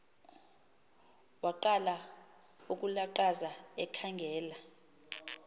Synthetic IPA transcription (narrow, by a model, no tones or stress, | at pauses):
waǃala | uk̬ʼulaǃazaɛkʰaŋɡʱɛːla